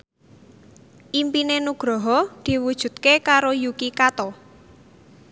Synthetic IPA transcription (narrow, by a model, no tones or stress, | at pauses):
ʔimpinenuɡ̥ɾɔɦɔd̪̥i̤wud̥ʒ̥ṳt̪̚kekaɾojukikat̪ɔ